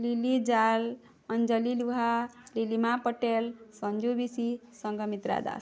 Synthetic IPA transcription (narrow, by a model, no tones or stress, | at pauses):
lilid͡ʒal | ʌnd͡ʒəliluɦalilimapəʈelsʌnd͡ʒubisisʌŋɡʱʌmit̪ɾa̰d̪a̰s